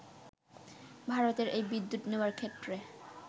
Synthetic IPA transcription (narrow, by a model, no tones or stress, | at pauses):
bʱaɾot̪eɾʔejbid̪ːut̪neaɾkʰet̪ːɾe